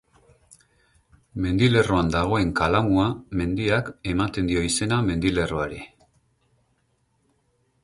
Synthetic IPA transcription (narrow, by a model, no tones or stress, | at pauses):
me̞nd̪ile̞ro̞and̪aɣ̞o̞e̞ŋkalamuame̞nd̪iake̞mat̪e̞nd̪io̞ise̞name̞nd̪ile̞ro̞aɾi